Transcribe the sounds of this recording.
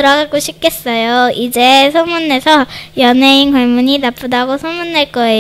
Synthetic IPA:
ɯɾʌɡak͈oɕʰip̚k͈es͈ʌjoid͡ʑesʰomunːesʰʌjʌneinkʌɭmuɲinap͈udaɡosʰomunːeɭk͈ʌe

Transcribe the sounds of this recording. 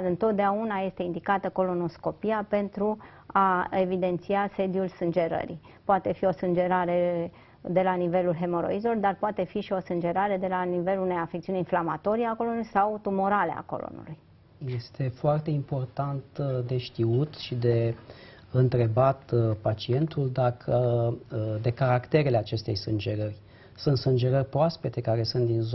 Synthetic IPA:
ɨnt̪o̞t̪̚d̪eaunaje̞st̪e̞ind̪ikat̪əko̞lo̞no̞sko̞piape̞nt̪ɾu | ae̞vid̪e̞nt̪siase̞d̪julsɨnd͡ʒe̞ɾə̰ɾḭ | poat̪e̞fio̞sɨnd͡ʒe̞ɾaɾe̞ | d̪e̞lanive̞lulɦe̞mo̞ɾo̰izelo̞rd̪arpoat̪e̞fiʃio̞sɨnd͡ʒe̞ɾaɾe̞d̪e̞lanive̞lune̞jafek̚t̪siuneinflamat̪o̞ɾiakolo̞nulujsawt̪umo̞ɾalea̰ko̞̰lo̰nṵluj | je̞st̪ʰe̞foart̪e̞impo̞rt̪ant̪d̪e̞ʃt̪iut̪ʃid̪e̞ | ɨnt̪ɾe̞bat̪pat͡ʃie̞nt̪uld̪akʰə | d̪e̞kaɾakt̪e̞ɾe̞leat͡ʃe̞st̪e̞jsɨnd͡ʒe̞ɾərʲ | sunt̪sɨnd͡ʒeɾərʲpɾoaspe̞t̪e̞kaɾe̞sunt̪d̪inzo

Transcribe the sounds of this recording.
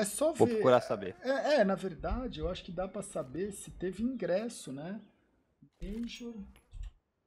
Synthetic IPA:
ɛsɔvopɾkuɾasabḛɛɛnɐveɾd̪ad͡ʒɪewaʃʊ̥kɪd̪apɾɐsabeɾsɪt̪evɪĩɡɾɛsʊnɛ | eʒoɾ

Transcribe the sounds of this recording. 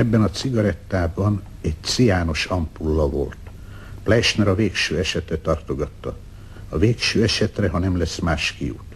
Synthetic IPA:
ɛbːɛnɒt̪siɡɒɾɛt̪ːaːbɒn | ɛɟ̚t̪sijaːno̞ʃɒmpulːɒvo̞̰lt̪ | plɛʃnɛɾɒveːkʃøːɛʃɛt̪ɛt̪ɒrt̪o̞ɡɒt̪ːɒ | ɒveːkʃøːɛʃɛt̪rɛɦɒnɛmlɛsmaːʃkijṵt̪

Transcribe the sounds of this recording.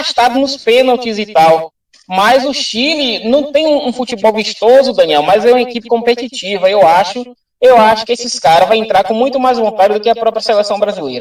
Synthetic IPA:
ʃt̪ad̪mʊspenawt͡ʃizit̪aw | mɐjzʊʃilinɐ̃w̃t̪ẽj̃ũũfut͡ʃibɔwviʃt̪ozʊd̪ɐ̃niɛwmɐjzɛũmɐekipɪ̥kõmpet͡ʃit͡ʃivɐewaʃʊ | ewaʃʊkɪesɪskaɾɐvajẽnt̪ɾaɾkõmũj̃t̪ʊmajzvõnt̪aɾjʊd̪ʊkɪɐpɾɔpɾɐselɛsɐ̃w̃bɾazilejɾɐ

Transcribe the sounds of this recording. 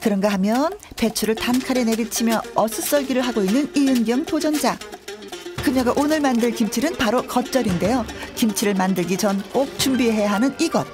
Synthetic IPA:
kɯɾʌnɡaɦamjʌnpe̞t͡ɕʰuɾɯɭtankʰaɾene̞bit͡ɕʰimjʌʌsʰɯs͈ʌɭɡiɾɯɭɦaɡoinːɯnijɯnɡjʌmtʰod͡ʑʌnd͡ʑa | kɯɲʌɡaʔonɯɭmandɯɭkimt͡ɕʰiɾɯnpaɾokʌt̚t͡ɕ͈ʌɾinde̞jokimt͡ɕʰiɾɯɭmandɯɭɡit͡ɕʌnk͈ok̚t͡ɕ͈umbieɦe̞jaɦanɯniɡʌt̚

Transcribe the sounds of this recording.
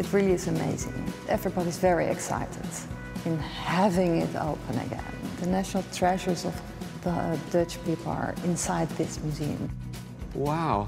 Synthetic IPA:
ɨt̚ɹɪlˠiɨzɨmḛɪzɪ̰̃ŋʔɛvɹibɑɾizvɛɹiʔɨ̰ksa̰ɪɾɨd | ɨ̃nhævɪ̃ŋɪ̰ɾo̰ʊpʰə̃nɨ̰ɡɛ̰̃nðɨnæʃnl̩ˠtʰɹ̥ɛʒə˞zʌv | ðəə̰˞dɜ˞t͡ʃpʰipl̩ˠə̰˞ɪ̃nsaɪd̪̚ðɪsmjʉziɨ̰̃m | waʊ

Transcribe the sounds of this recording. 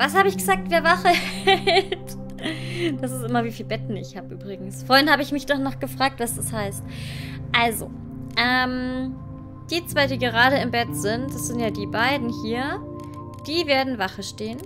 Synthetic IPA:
vashaːbəɪçɡ̥əzaːk̚tv̥eːɐvaχəɛt | d̥asɪstʔɪmɐviːfiːlbɛtn̩ɪ̰çhaːbəʔyːbʁɪɡŋ̩sfoːɐɪnhaːbəɪçmɪçd̥ɔχnɔχɡ̥əfʁ̥aːk̚tv̥asd̥ashaɪst | ʔalzo̰ | ʔɛːm | d̥iːt͡sv̥aɪdiːɡəʁ̞aːɾəɪmbɛtz̥ɪntd̥asz̥ɪntjaːdiːbaɪdn̩hiːɐ | d̥iːveːɐdn̩vaχəʃteːən

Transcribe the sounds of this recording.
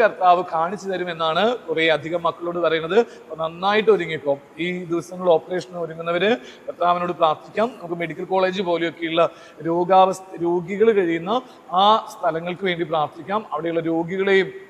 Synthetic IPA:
kɐrt̪aːʋɨkaːɳit͡ɕːɐt̪ɐɾume̞nːaːɳɨkureːɐd̪ʱiɣɐmːɐkːɐɭo̞ːɽɨpɐrɐjunːɐðɨ | ponɐnːaːjiʈːɨoɾuŋːipːo̞ːmiːd̪iʋɐsɐŋːɐɭo̞ːpːɐre̞ːʂɐnoɾuŋːunːɐʋɐɾɨ | kɐrt̪aːʋɐno̞ːɽɨpraːrt̪ʰikʲːaːmnɐmuk̬ːɨme̞ɽikʲːɐlkoːɭe̞ːd͡ʑɨpo̞ːlejo̞kːe̞juɭːɐ | ɾo̞ːɡaːʋɐst̪ɐɾo̞ːɡiɣɐɭkɐɻijunːɐ | aːst̪ʰɐlɐŋːɐɭkɨʋe̞ːɳɖipraːrt̪ʰikʲːaːmɐʋiɽe̞juɭːɐɾo̞ːɡiɣɐɭe̞jum

